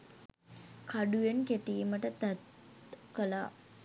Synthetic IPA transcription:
kʰaɖujenkeʈiːməʈət̪æt̪ | kəla

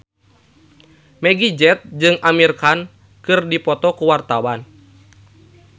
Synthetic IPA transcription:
mɛɡid͡ʒɛt̪̚d͡ʒɨŋamirkan | kɨrdipɔt̪ɔkuwart̪awan

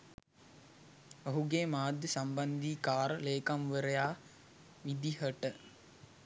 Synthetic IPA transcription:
oɦuɡeːmaːd̪ːəsamband̪iːkaːɾəleːkamʋəɾəjaː | ʋid̪ihəʈə

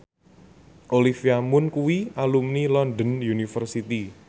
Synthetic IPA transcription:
ʔolifiamʊnkuwialumnilɔnd̪ənjunifərsit̪i

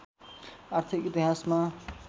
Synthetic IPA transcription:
art̪ʰikit̪iɦasma

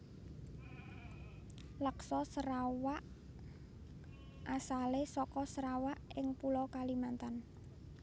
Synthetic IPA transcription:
ləksɔsəɾawaʔ | ʔasalesɔkɔsəɾawaʔɪŋpulɔkalimant̪an

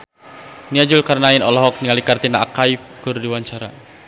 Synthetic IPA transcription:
niad͡ʒulkaɾnainɔlɔɦɔk̚niŋalikart̪inaakaif̚kurdiwaɲt͡ʃaɾa

